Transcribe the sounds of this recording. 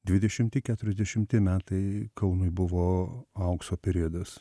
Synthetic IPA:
d̪ʲʋʲɪd̪ʲɛʃʲɪmʲt̪ʲɪkʲæːt̪ʊɾʲɛzʲd̪ʲɛʃʲɪmʲt̪ʲɪmʲæːt̪ɐɪkɐʊnʊɪbʊʋoːɐʊksoːpʲɛɾʲiɛd̪ɐs

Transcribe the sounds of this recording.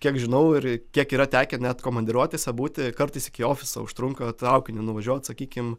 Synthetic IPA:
kʲiɛkʒʲɪnɐʊɪɾkʲiɛkiːɾɐt̪ʲæːkʲɛnʲɛt̪koːmɐnʲd̪ʲɪɾuɔt̪ʲeːsʲɛbuːt̪ʲɪkɐɾt̪ɐɪsɪkʲɪoːfʲɪsɐ̰ʊʃt̪ɾʊŋkɐt̪ɾɐʊkʲɪnʲɪnʊʋɐʒʲuɔt̪sɐkʲiːkʲɪm

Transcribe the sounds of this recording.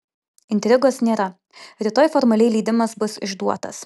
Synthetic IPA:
ɪnʲt̪ʲɾʲɪɡoːsnʲeːɾɐ | ɾʲɪt̪oːjfɔɾmɐlʲɛɪlʲiːd̪ʲɪmɐsbʊsɪʒd̪uɔt̪ɐ̰s

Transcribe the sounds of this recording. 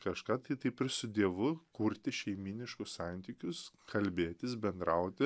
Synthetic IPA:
kɐʃkɑːt̪ɐɪt̪ɐɪpɪɾsʊd̪ʲiɛʋʊkuɾʲt̪ʲɪʃʲɛɪmʲiːnʲɪʃkʊssɑnʲt̪ʲiːkʲʊskʰɐlʲbʲeːt̪ʲɪsbʲɛnd̪ɾɐʊt̪ʲɪ

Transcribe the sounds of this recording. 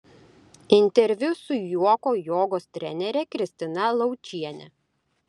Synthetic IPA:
ɪnʲt̪ʲɛɾʲʋʲʊsʊjuɔkoːjoːɡoːst̪ʲɾʲɛ̰nʲɛɾʲɛkɾʲɪsʲt̪ʲɪnɐlˠɒʊt͡ʃʲiɛnʲɛ̰

